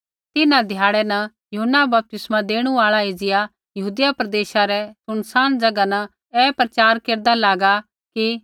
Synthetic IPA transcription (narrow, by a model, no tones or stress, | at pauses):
t̪ɪnãd̪ʱɪjaːɭɛnɐ | jʊɦənːabɐp̚t̪ɪsmãd̪eːɽ̃uaːɭaeːd͡ʒɪja | jɐɦuːd̪ɪjapɾɐd̪eːʃaɾɛsʊñsaːnd͡ʒɐɡanɐ | ɛːpɾɐt͡ʃaːɾkeːɾd̪alaːɡa | ki